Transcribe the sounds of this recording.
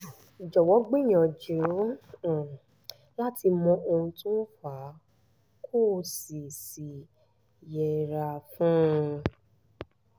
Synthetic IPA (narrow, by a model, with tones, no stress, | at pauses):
d͡ʒɔ˨wɔ˨˦ɡ͡bĩ˦˨j̃ɔ̃˨d͡ʒũ˨˦˨ | la˦tʰi˧mɔ̃˧˦ʔo˧ũ˧tũ˦fa˨˦ | kʰo˦˨si˨si˨ | jɛ˨ɾa˧fũ˦˧